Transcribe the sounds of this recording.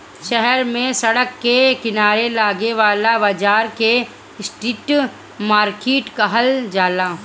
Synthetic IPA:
ʃɛɦɛɾmẽsɐɽəkːekɪnaːɾelaːɡeʋaːlabaːd͡ʒaːɾke | sʈɪʈ | maːɾkeːʈkaɦɐld͡ʒaːlaː

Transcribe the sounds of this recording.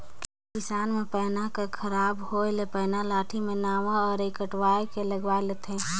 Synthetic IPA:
kɪsaːnmẽpəːnakəkʰəɾaːbholepəːnalaːʈʰimẽnaːʋaɔːɾekəʈwaːekeləɡʋaːelet̪ʰẽː

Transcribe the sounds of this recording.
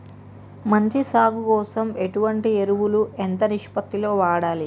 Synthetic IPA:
mɐɲt͡ʃisaːɡukɔːsɐme̞ʈuʋɐɳʈieɾuʋuluʔent̪ɐniʂpɐt̪ːilo̞ːʋaːɽaːli

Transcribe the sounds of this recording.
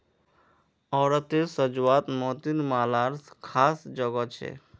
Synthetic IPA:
ɔːɾət̪esəd͡ʒuat̪mɔt̪inmalaɾskʰasd͡ʒɔɡɔt͡ʃʰḛ

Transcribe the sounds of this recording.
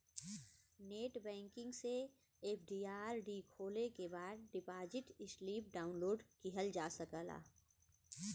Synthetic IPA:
neːʈbɛ̃ːŋkɪ̃ŋɡse | eːpʰɖiːaːɾɖikʰoːlekebaːd̪̚ɖɪpaːd͡ʒɪʈɪsliːp̚ɖaːʊnloːɖkiɦəld͡ʒaːsəkəla̰ː

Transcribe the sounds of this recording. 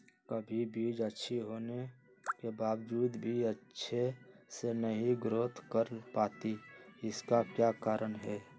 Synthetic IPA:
kəbʱibiːd͡ʒətːʃʰiɦoːne | kebaːwd͡ʒuːd̪bʱiətːʃʰesenəɦĩɡɾoːt̪ʰkəɾpaːt̪iɪskakjakaːɾənɦɛː

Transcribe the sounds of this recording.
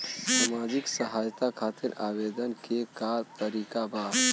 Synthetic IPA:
saːmaːd͡ʒɪksəɦaːjt̪akʰaːt̪iɾaːbeːd̪ənkekat̪əɾiːkabaː

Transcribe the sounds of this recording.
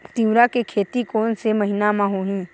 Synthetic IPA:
t̪ĩʊɾakekʰeːt̪ikoːnseməɦɪnamãɦoːɦĩː

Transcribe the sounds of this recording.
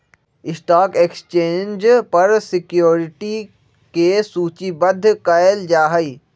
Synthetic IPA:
ɪsʈaːkeːkst͡ʃẽːnd͡ʒpɐɾsɪkjoːɾɪʈi | kesuːt͡ʃibəd̪ʱːkaeld͡ʒaːɦəiː

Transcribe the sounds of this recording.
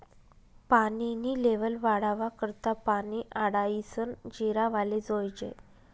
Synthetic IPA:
paniniːleʋəlʋaɽaʋakəɾt̪apaniʔaɽaisənd͡ʑiɾaʋaled͡zojd͡ʑḛ

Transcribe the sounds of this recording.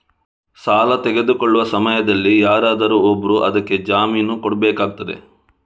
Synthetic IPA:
saːlɐt̪ɛɡe̞d̪ukoɭːuʋɐsɐmɐjɐd̪ɐlːijaːɾaːd̪ɐɾuobːɐɾuʔɐd̪ɐkːe̞d͡ʒaːmiːnukɔɽɐbɛːkaːɡ̚t̪ːɐd̪ḛ

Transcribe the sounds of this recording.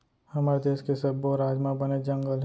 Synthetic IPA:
hɐmaːɾed̪eːʃkesɐbːoɾaːd͡ʒmãbɐned͡ʒɐ̃ŋɡəlɦ

